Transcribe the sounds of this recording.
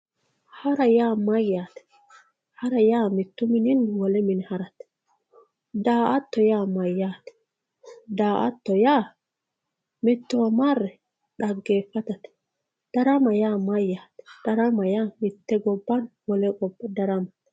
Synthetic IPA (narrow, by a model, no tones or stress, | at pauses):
hɐɾɐjaːmɐjːaːt̪ɛ̥ | hɐɾɐjaːmɪt̪ːʊmɪnɪnwɔlɛmɪnhɐɾɐt̪ | d̪aːʔɐt̪ːɔjaːmɐjːaːt̪ɛ̥ | d̪aːʔɐ̰t̪ːɔjaː | mɪt̪ːɔwɐmɐrːɛ | ᶑɐɡːeːfːɐt̪ɐt̪ɛ̥ | d̪̥ɐɾɐmɐjaːmɐjːaːt̪ɛ̥d̪̥ɐɾɐmɐjaːmɪt̪ːɛɡɔbːɐnwɔlɛɡɔbːɐd̪ɐɾɐmɐt̪